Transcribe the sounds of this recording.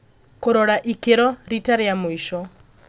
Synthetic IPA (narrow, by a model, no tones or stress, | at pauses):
koɾɔɾaʔikeɾɔɾitaɾeamoiʃɔ